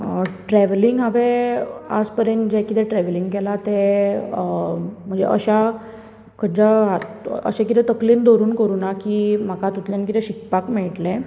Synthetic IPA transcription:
ʈɾɛʋliŋɡɦaʋea̰d͡zpəɾend͡ʑɛkit̪ɛʈɾɛʋliŋɡkɛlat̪e | m̤əɳd͡zḛʔəɕa | kəd͡ʑaɦat̪ə̰ɕẽkit̪ɛt̪əkliːnd̪oɾuːnkəɾuːnakiːm̤akat̪ut̪ljankit̪ɛɕikpakmɛɭʈlẽ

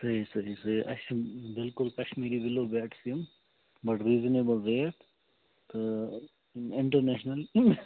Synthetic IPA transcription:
sɐɦisɐɦisɐɦiʔɐ̰ʃbɪlkʊlkɐʃmiːɾibɪloːbæːʈsim | bɐʈɾiːzənebəlɾeːʈ | t̪o | nɪ̃ɳʈəɾnɛːʃnɐl

